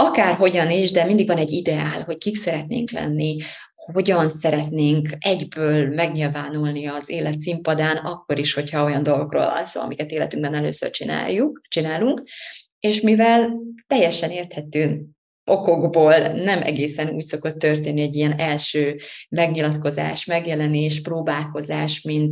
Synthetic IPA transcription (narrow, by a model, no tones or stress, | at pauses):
ɒkaːrɦo̞ɟɒniʒd̪ɛmind̪iɡvɒnɛɟːid̪ɛaːlɦo̞ckiksɛɾɛt̪nḛːŋklɛ̰nːi | ho̞ɟɒnsɛɾɛt̪neːŋkɛɟbøːlmɛɡɲilvaːnulniɒzeːlɛt̪simpɒd̪aːnɒkːo̞ɾiʃho̞chɒo̞jɒnd̪o̞lɡo̞kro̰ːlvɒ̰lso̰ːɒ̰mikɛt̪eːlɛt̪yŋɡbɛnɛlø̰ːsø̰rt͡ʃina̰ːjut͡ʃinaːluŋk | eːʃmivɛlt̪ɛjːɛʃɛneːrt̪hɛt̪øːn | o̞ko̞ɡboːlnɛmʔɛ̰ɡeːsɛnṵːcso̞ko̞t̪ːø̞rt̪eːnːiɛɟijɛnɛlʃøːmɛɡɲilɒt̪ko̞za̰ːʃmɛɡjɛlɛneːʃproːbaːlko̞zaːʃmint̪